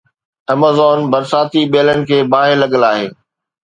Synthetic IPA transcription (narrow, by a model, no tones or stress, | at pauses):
ɐmaːzɔːnbɐɾsaːt̪iɓeːlənɪ̆kʰeːbaːɦɪɾlɐɠəlaːɦeː